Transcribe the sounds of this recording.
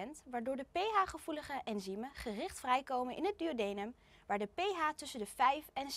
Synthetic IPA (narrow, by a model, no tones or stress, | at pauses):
ɛntʋaːɹdʊːɹdəpejɦaːχəv̥uləχəʔɛnziməχərɪχtfrɛjkowmənʔɪ̰nɦəd̚dyodejnəm | ʋaːɹdəpejɦaːtɵsəndəvɛjfɛn